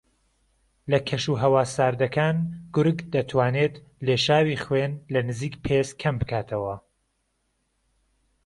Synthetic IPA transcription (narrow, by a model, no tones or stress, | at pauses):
lɐkʰɐʃuːɦɐwaːsaːɾd̪ɐkʰaːnɡ̥ʊɾɡd̪ɐt̪ʰwaːneːt̪ | leːʃaːwiːχwenlɐnɨziːkpʰeskʰɐmbɨkʰaːt̪ʰɐwɐ